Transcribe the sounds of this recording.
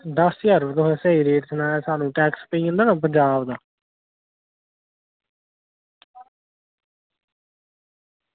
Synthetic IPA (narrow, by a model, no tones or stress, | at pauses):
d̪əsjəɾʋd̪oɦɛ̃ːseːiːɾeːʈsənaːaːsaːnũːʈɛːkspəiːə̃nd̪aːnãːp̬əɲd͡ʒaːbd̪aː